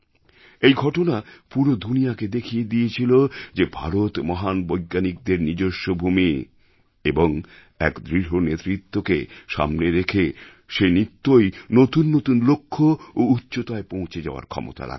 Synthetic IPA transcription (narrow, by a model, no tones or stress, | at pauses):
ejɡʱɔʈonapuɾod̪ʱunijaked̪ekʰied̪iet͡ɕʰilod͡ʑebʱa̰ɾot̪mɔɦanbojɡːanik̚d̪eɾnid͡ʑoʃːobʱumi | eboŋ | ɛ̰kd̪ɾiɾɦonet̪ɾit̪ːokeʃa̰mneɾekʰe | ʃenit̪ːojnot̪unːot̪unlokʰːoːutːɕot̪aepõw̃t͡ɕʰed͡ʑa̰oa̰ɾkʰɔ̰mo̰t̪a̰la̰